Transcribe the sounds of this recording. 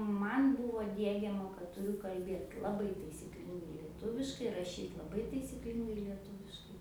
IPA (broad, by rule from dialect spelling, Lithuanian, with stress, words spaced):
ˈmɐnʲ ˈbʊʋoː ˈdʲiɛɡʲɛmɐ kɐt tʊˈrʲʊ kɐlʲˈbʲeːt lˠɐˈbɐɪ tɐɪsʲiːˈklʲɪŋɡɐɪ lʲiɛˈtʊʋʲɪʃkɐɪ rɐˈʃʲiːt lˠɐˈbɐɪ tɐɪsʲiːˈklʲɪŋɡɐɪ lʲiɛˈtuːʋʲɪʃkɐɪ